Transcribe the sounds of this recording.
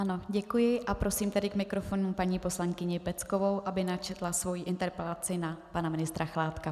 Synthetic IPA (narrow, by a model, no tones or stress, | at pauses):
ano̞ɟɛkujɪʔapɾo̞siːmt̪ɛdɪkmɪkɾo̞fo̞numpaɲiːpo̞slaŋkɪɲɪpɛt͡sko̞vowʔabɪnat͡ʃɛt̪lasvo̞jiʔɪnt̪ɛɾpɛlat͡sɪnapanamɪnɪst̪ɾaxlaːt̪ka